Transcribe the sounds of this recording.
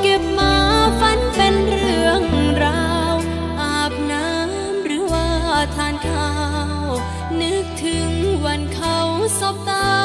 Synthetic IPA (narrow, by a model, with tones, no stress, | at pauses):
ke˨˩p̚maː˧fa˧˥npe˧nɾɯ˧˩əŋɾaː˧w | ʔaː˨˩p̚naː˧˦˥ | mɾɯː˨˩˦waː˧˩t̪ʰaː˧˥nkʰaː˧ | ww | nɯ˦˥k̚t̪ʰɯ˨˦ŋwa˧nkʰa˧˥wsɔ˨˦˩p̚t̪aː˧˥